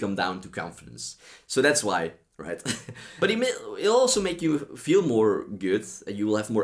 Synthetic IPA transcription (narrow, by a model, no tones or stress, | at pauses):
kʰʌ̃mdã̰ʊ̃ntɨkʰɑ̰̃ɱfəɾɨ̰̃nsːoʊðætswaɪ | ɹa̰ɪt̚b̥ʌɾɨt̚meɪɪɾɔlˠsoʊmeɪkjɨfilˠmɔɹɡʊdɨ̃njɨwɪlˠɨvmɔ